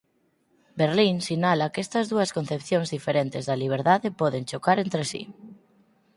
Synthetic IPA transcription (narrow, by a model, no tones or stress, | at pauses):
beɾlinsinalɐkest̪ɐzðuɐskonθepθjõŋzðifeɾent̪ezðɐliβ̞eɾðaðepɔðent͡ʃokaɾent̪ɾesḭ